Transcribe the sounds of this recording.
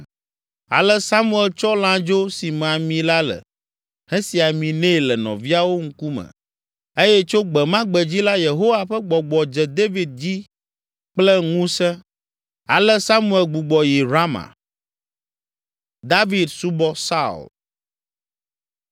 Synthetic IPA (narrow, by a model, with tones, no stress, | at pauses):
a̰˨lɛ˦sa˦mu˦ɛ˨lt͡ʃɔ˦lã˦d͡ʒo˦si˨m˨a˨mĩ˨la˦lə̰˨ | hɛ˦si˨a˨mĩ˨nẽ˦˨lɛ˨nɔ̰̃˨vi˦a˦wo˦ŋ̩˦ku˦mə̰̃˨ | e˦jɛ˦t͡ʃo˦ɡ͡bɛ˨mã˦ɡ͡bɛ˨d͡ʑi˦la˦je˨ɦo˦wa˨ɸɛ˦ɡ͡bɔ˨ɡ͡bɔ˨d͡ʒɛ˨d̪e˦vi˨d̪̚d͡ʑi˦ | k͡plɛ˦ŋũ˦sɛ˦ | a̰˨lɛ˦sa˦mu˦˨e˨lɡ͡bu˨ɡ͡bɔ˨ji˨ɾa˦mã̰˨ | d̪a˦vi˨d̪su˦bɔ˦sa˦ṵ˨l